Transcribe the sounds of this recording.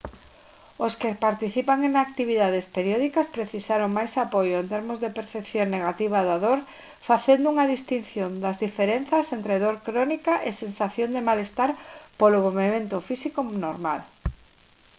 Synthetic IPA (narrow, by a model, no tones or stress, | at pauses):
oskepaɾt̪iθipaŋeŋak̚t̪iβiðaðespeɾjɔðikɐspɾeθisaɾoŋmajsapojoent̪eɾmozðepeɾθepθjoŋneɣ̞at̪iβ̞aðaðoɾ | faθend̪ʊuŋɐðist̪in̟θjond̪ɐzðifeɾen̟θɐsent̪ɾeðoɾkɾɔnikaʔesensaθjond̪emalest̪aɾpolomoβemẽnt̪ʊfisikonoɾma̰l